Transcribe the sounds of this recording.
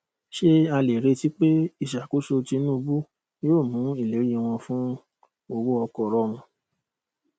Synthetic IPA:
ʃe˦a˧le˨ɾe˧ti˦k͡pe˦i˦˨ʃa˨ko˨˦ʃo˧ti˧nũ˦˧bu˦ | joː˦˨mũ˨˦i˦˨le˨˦ɾi˦˧w̃ɔ̃˧fũ˦ | o˧wo˦ɔ˧kɔ˨ɾɔ˧˦mũ˧

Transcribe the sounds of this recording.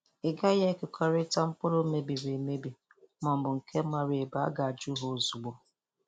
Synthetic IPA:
ɪ˨ɡa˦ja˦kʊ˨kʰɔ˦ɾɪ˦ta˦m̩˦pʊ˦lo˦me˦bi˨ɾe˨me˦bi˨ | mɔ˨m̩˨bʊ˨ŋ̩˨kʰe˦ma˨ɾe˨e˨ba˨˦a̰˦ɡa˨a˨d͡ʒu˦ɦo˨zu˨ɡ͡bɔ˨

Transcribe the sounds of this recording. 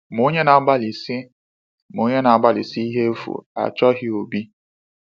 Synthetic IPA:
mo˦ɲe˦na˨a˦ɡ͡ba˦li˨si˦ | mo˨˦ɲe˦na˨a˨ɡ͡ba˦lḭ˨si˦i˦ɦe˦fṵ˨a̰˨t͡ʃɔ˦ɦɪ˦o˨bi˦

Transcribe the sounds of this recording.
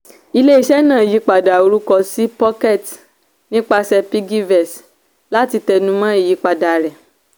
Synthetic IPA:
i˧le˦i˦ʃɛ˦nãː˦˨ji˨˦k͡pa˨da˨o˧˦ɾu˦kɔ˧si˦pɔ˦kɛ˦˨t | nĩ˦k͡pa˧sɛ˧pi˦ɡi˦vɛ˨s | la˦ti˧tɛ˧nũ˦mã˦e˦˨ji˨˧k͡pa˨da˨ɾɛ˨

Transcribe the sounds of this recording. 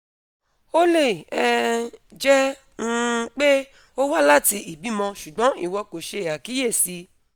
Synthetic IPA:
o˦le˦˨ɛ˧d͡ʒɛ˦ | ñ̩˦˧k͡pe˦ | o˦wa˦la˦ti˧i˨bi˨˦mɔ̃˧ʃu˨ɡ͡bɔ̃˨˦ḭ˦˨wɔ˧ko˨ʃe˧˨a˨ki˨˦je˦˨si˧

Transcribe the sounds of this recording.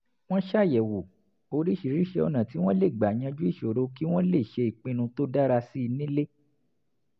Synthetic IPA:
w̃ɔ̃˦ʃa˦˨jɛ˨wo˨ | o˧ɾi˦ʃi˨ɾi˨˦ʃɛ˧o˧nã˨ti˨˦w̃ɔ̃˦le˦˨ɡ͡ba˨ɲ̃ã˧d͡ʒu˦i˦˨ʃo˨ɾo˨˦ki˦w̃ɔ̃˦le˦˨ʃe˧i˨k͡pĩ˧nũ˧to˦da˦ɾa˧si˦i˧nĩ˦le˦

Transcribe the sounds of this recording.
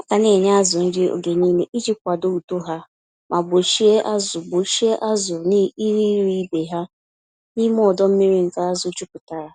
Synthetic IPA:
ka˨ne˨ɲa˦a˦zʊ˨n̩˦dɪ˦o̰˨ɡe˨ɲiː˦ne˨ʔi˦d͡ʒi˦k̚ʷa˨do˦u˨to˦ɦa˦ | mʔa˨bʊ˨ʃi˦e˦ʔa˦zʊ˨bʊ˨ʃi˦e˦ʔa˦zʊ˨ni˦i˦ɾi˦ɾi˦be˨ɦa˦ | ni˦m˦ɔ˦˨dɔ˦m̩˦mi˦ɾi˦ŋ̩˨ka˦a˦zʊ˦t͡ʃu˦pʊ˨ta˨ɾa˨

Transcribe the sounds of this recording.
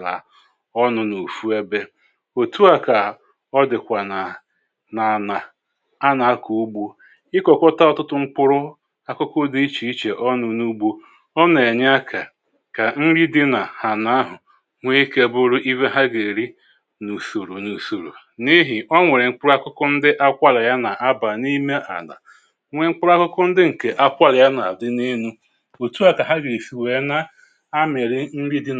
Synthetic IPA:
a̰˨ | ɔ˦nʊ˨nu˨fu˦e˦be˦ | o˨tu˦a˨ka˨ | ɔ˦dɪ˨kʷa˨na˨ | na˨na˨ | a˦na˨a˦ku˨u˦ɡ͡bo˦ | ɪ˦kɔ˨kɔ˦ta˦ɔ˦tʊ˦tʊ˦ŋ͡m̩˦k͡pʊ˦ɾʊ˦ | a˦kʊ˦kʊ˦di˦i˦t͡ʃi˦i˦t͡ʃe˨ʔɔ˦nʊ˨nu˦ɡ͡bo˦ | ɔ˦ne˨ɲ˦a˦kʰa˨ | ka˨n̩˦ɾi˦dɪ˦na˨ha˨na˦a˦ɦʊ˨ | ŋʷe˦i˦ke˦bʊ˦ɾʊ˦ʔi˦ve˦ɦa˦ɡe˨ɾi˦ | nu˨so˨ɾu˨nu˨so˨ɾṵ˨ | ni˦ɦɪ˨ʔɔ˦ŋʷe˨ɾɪ˨ŋ͡m̩˦k͡pʊ˦ɾa˦kʊ˦kʊ˦n̩˦dɪ˦ʔa˦kʷa˦la˨ja˦na˨ʔa˦ba˨ni˦me˦ʔa̰˨na̰˨ | ŋʷe˨ŋ͡m̩˦k͡pʊ˦ɾa˦kʊ˦kʊ˦n̩˦dɪ˦ŋ̩˨ke˨ʔa˦kʷa˦la˨ja˦na˨a˨dɪ˦ni˦nu˦ | o˨tu˦a˦˨ka˨ɦa˦ɡɪ˨i˨si˨we˨˦na˦ | a˦mɪ˨ɾɪ˦n̩˦ɾi˦dɪ˦

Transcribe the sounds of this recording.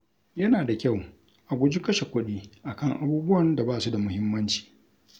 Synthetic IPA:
jɐ˦naː˨da˨kʲa˦˨w | ʔa˨ɡʷʊ˦d͡ʒɪ˦kɐ˦ʃe˨kʷʊ˦ɗiː˦ʔa˨kɐ˦˨ŋʔa˨buː˦bʊ˦wɐ˨nda˨baː˦˨su˦da˨mʊ˦hɪ˦mːɐ˦nt͡ʃi̥ː˨

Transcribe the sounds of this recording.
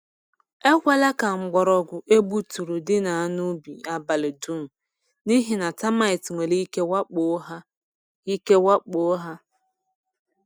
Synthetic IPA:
e˦kʷa˦la˦ka˨ŋ͡m̩˨ɡ͡bɔ˨ɾɔ˨ɡʷʊ˨ʔe˦bu˦tu˨ɾu˨dɪ˦na˨a˦nu˦bḭ˨a˨ba˨lɪ˨du˦m̩˨ | ni˦ɦi˨na˨ta˦ma˦˨ɪ˨tŋʷe˨li˦i˦ke˦wa˦k͡po˦ɦa˦ | i˦ke˦wa˦k͡po˦ɦa˦

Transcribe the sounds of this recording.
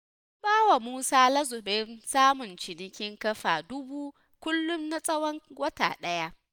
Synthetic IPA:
baː˦wa˨muː˦saː˦lɐ˦zʊ˨bɛ˦nsaː˦mʊ˨nt͡ʃɪ˨nɪ˦kʲɪ˦ŋkɐ˦ɸaː˨dʊ˦buː˦ | kʷʊ˦lːʊ˦mna˦sʼɐ˦wɐ˦ŋwɐ˦ta̰ː˨ɗɐ˦ja˦ʔ

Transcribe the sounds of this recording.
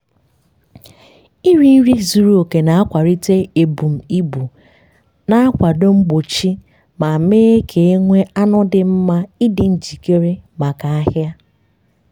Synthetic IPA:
i˦ɾi˦n̩˦ɾi˦zu˨ɾu˦o˨ke˨na˨a˦kʷa˨ɾi˦te˦e˨bu˨m̩˨i˦bu˨ | na˦a˦kʷa˨do˦ŋ͡m̩˦ɡ͡bo˨t͡ʃi˦ | ma˨meː˦e˦kʰe˨e˦ŋʷe˦a˦nʊ˦dɪ˨m̩˦ma˦i˦dɪ˨n̩˨d͡ʒi˨ke˦ɾe˦ma˨ka˨a˦ɦja˦

